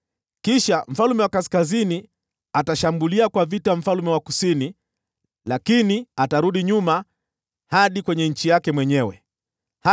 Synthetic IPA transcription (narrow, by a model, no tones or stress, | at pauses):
kiʃam̩falumɛwakaskazini | ataʃambuliakwavitam̩falumɛwakusini | lakiniataɾuɗiɲuma | haɗikwɛɲɛɲ̩t͡ʃijakɛmwɛɲɛwɛ̰ | h